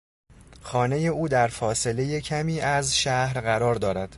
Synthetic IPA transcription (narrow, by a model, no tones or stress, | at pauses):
xɒːne̞je̞uːd̪æɾfɒːse̞le̞je̞cʰæmiːʔæzʃæhɾɢæɾɒːɾd̪ɒːɾæd̪̥